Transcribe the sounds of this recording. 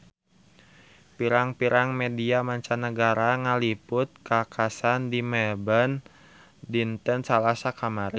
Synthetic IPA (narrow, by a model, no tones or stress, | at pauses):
piɾaŋpiɾaŋmediamaɲt͡ʃanəɡaɾaŋalipʊt̪̚kakʰasandimɛbən | dint̪ənsalasakamaɾi